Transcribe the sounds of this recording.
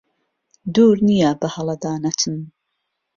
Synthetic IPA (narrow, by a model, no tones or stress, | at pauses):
d̪uːɾnijabɐhɐlˠɐd̪aːnɐt̪ʰɨn